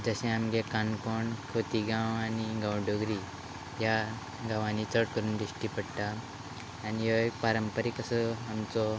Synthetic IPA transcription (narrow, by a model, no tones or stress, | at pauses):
d͡zəɕɛ̃amɡẽkankoɳkʰot̪iɡãwaniɡãwɖoɡɾi | ja | ɡãʋãnit͡səɽkəɾuːnd̪iɕʈipəɽt̪aː | nijoekpaɾəmpəɾekəsəamt͡sɔ